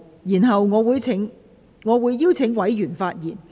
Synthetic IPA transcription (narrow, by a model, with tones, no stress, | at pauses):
jiː˨˩nɦɐ˨wŋɔː˨˧wuː˨˧jʰŋ | ŋɔː˨˧wuː˨˧jːiː˥wt͡sʰɪ˨˧˥ŋwɐ˨˥jjyː˨˩nfaː˧t̚jiː˨˩n